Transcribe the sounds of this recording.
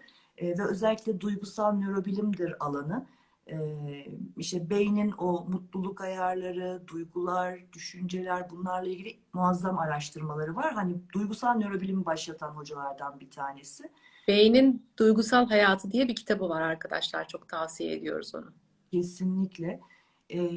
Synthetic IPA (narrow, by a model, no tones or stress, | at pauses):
ɛd̪aøzɛlʲːicʲlʲɛd̪ujɡusalˠnø̞ɾo̞bilʲimd̪iɾalˠanɯ | ɛːiʃt̪ɛbe̞jninomut̪lˠulˠukajaɾlˠaɾɯd̪ujɡulˠaɾd̪yʃynd͡ʒe̞lʲæɾbunlˠaɾlˠailʲɟilʲi | muazːamaɾaʃt̪ʰɯɾmalˠaɾɯvaɾɦanid̪ujɡusalˠnø̞ɾo̞bilʲimbaʃlˠat̪ʰanɦo̞d͡ʒalˠaɾd̪anbit̪ʰaːne̞sɪ | b̥e̞jnind̪̥ujɡusalˠɦajaːt̪ʰɯd̪ijɛbicʰi̥t̪ʰabɯvaɾaɾkʰad̪a̰ʃlˠa̰ɾt͡ʃʰo̞k̚t̪ʰasijeḛd̪ijo̞̰ɾṵzo̞̰nʊ | cʰe̞sinlʲiclʲɛ | ɛ